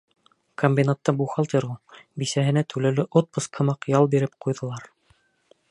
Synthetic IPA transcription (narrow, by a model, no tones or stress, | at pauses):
komʲbʲinat̪ːɑbuχɑlˠt̪eɾʁubisæɦɘ̆næt̪ʉlæwlɘʔot̪̚pɤsqʰɤ̆mɑqjɑlˠbiɾɘp̚qujðɤ̆lˠɑɾ